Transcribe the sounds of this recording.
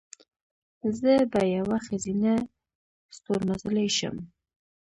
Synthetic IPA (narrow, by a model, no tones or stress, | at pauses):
zəbajawaxazina | st̪oɾmazəlajʃə̰m